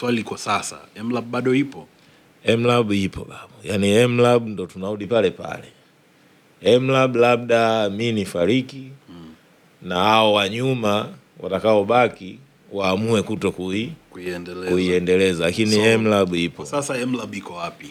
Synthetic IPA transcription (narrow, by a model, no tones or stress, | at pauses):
swaliikɔsasa̰ɛm̩laɓaɗɔipɔ | ɛm̩laɓipʰɔ̰ɓaɓɔjaniɛm̩laɓundɔtunauɗipalɛpa̰lɛ | ɛm̩laɓulaɓ̚ɗaminifaɾiki | nahaɔwaɲuma | wa̰takaɔɓaki | waːmuɛkutɔkuiɛndɛkuiɛndɛlɛzalakiniɛm̩laɓuipɔsasaɛm̩laɓikɔwapi